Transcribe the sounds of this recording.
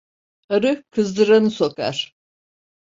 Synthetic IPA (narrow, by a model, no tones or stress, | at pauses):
aɾɯkʰɯzd̪ɯɾanɯso̞ka̰ɾ̥